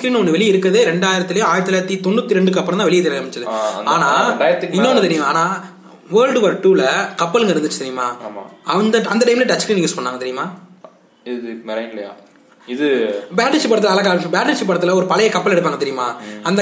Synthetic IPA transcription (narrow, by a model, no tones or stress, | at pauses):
kɾiːnɔnːɯʋɛɭiɪɾɯkːɐðɯɾɛɳɖaːjɪɾɐt̪ːɪlɐjʊ̃aːjɐt̪ːɪlɐːɐt̪ːit̪ɔɳːɯt̪ːiɾɛɳɖɯkɐpːɐɭɐ̃nãːʋɛɭɪjet̪ɪɾɐɐmɪt͡ʃːɐðɯaːnaːɐjɐt̪ːɪnːonːɯt̪ɛɾɪjʊ̃aːnaː | ʋɐːɾlɖʋɐɾʈuːlɐkɐpːɐlɯŋɡɐɪɾɯnd̪t͡ʃːɯ̥t̪ɛɾɪjɯma̰ːm̰ːɐnd̪ɐɐnd̪ɐʈɐɪmlɐʈɐskɾiːnːiɪŋɡspɐɳːaːŋɡɐt̪ɛɾɪjʊmaː | ɪmɛɾɐɪlɐja̰ː | ɪðɯbaːʈːɐʂɪpːɐɽɐt̪ɯlɐɐlɐkaːbaːʈːɐɾʂɪpːɐɽɐt̪ːɯlɐɔɾɯpɐlɐjɐkɐpːɐlɛɽɯpːaːŋɡɐt̪ɛɾɪjʊmaːɐnd̪ɐ